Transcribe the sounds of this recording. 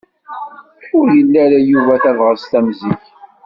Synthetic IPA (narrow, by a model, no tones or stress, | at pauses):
ʊɾjəlːæɾæjuvæθævʁəst̪æmziç